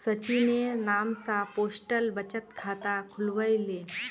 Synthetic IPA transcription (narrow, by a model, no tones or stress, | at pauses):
sət͡ʃinenaːmsãpoːsʈəlbət͡ʃət̪kʰaːt̪akʰʊlʋəjleː